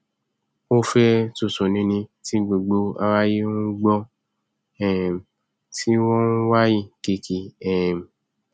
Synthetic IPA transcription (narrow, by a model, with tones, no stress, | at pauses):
o˦fɛ˦tu˨sõ˨nĩ˧nĩ˧ti˦ɡ͡bo˨ɡ͡bo˧˦a˧wa˦je˦ũ˦ɡ͡bɔ˦ | ɛ̃˨m˨ | ti˦wɔ̃˦n˦wa˦ji˦˨ke˧kʰi˧ɛ˨m˨